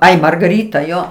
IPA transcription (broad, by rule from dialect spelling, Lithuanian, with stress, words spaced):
ˈɐɪ mɐrɡɐˈrʲiːtɐ ˈjoː